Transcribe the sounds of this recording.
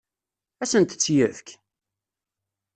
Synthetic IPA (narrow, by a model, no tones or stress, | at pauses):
æsənt̪ət͡sːjəfk